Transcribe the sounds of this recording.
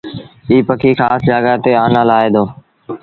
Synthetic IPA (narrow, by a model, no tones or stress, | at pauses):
iːpəkʰiːxaːsd͡ʒaːɡaːt̪eːaːnãːlaːeːd̪oː